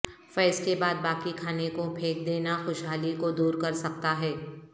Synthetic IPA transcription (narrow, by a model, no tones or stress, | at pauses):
fɛːskebaːd̪̚baːkikʰaːnekopʰeːk̚d̪eːnaxʊʃɦaːlikod̪uːɾkɐɾsɐk̚t̪aɦɛː